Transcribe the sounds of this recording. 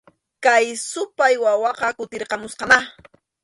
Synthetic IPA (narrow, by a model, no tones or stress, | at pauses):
kajsʊpajwawɑqɑkʊt̪eɾqɑmʊsqɑmaχ